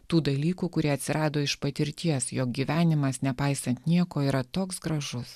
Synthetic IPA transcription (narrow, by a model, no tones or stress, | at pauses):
t̪uːd̪ɐlʲiːkuːkʊɾʲiɛɐt̪ʲsʲɪɾɑːd̪oːɪʃpɐt̪ʲɪɾʲt̪ʲiɛsjoːk̚ɡʲiːʋʲæːnʲɪmɐsnʲɛpɑɪsɐnt̪nʲiɛkoːiːɾɐt̪oːksɡɾɐʒʊs